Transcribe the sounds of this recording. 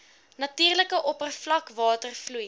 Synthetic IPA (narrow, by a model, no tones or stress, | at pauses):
nɐtiːrləkəʔɔpərflɐkvɑːtərfluj